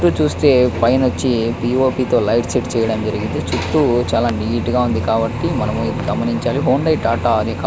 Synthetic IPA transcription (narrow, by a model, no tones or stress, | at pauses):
ʈuːt͡ʃuːst̪e̞ːpɐjnot͡ʃːipiːo̞ːpiːt̪o̞ːlɐjʈseʈt͡ʃɛːjɐɽɐmd͡ʒɐɾiɡint̪et͡ʃut̪ːut͡ʃaːlaːniːʈɡaːund̪ikaːbɐʈːimɐnɐmuɡɐmɐniɲt͡ʃaːliɦoːɳɖɐjʈaːʈaːɐnikː